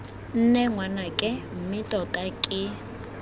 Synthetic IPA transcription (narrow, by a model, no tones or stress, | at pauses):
n̩nɛŋwanakʼɪm̩mɪtʼɔtʼakʼɪ